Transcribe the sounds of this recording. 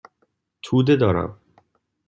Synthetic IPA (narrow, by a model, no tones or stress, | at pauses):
t̪ʰuːd̪ed̪ɒːɾæ̰m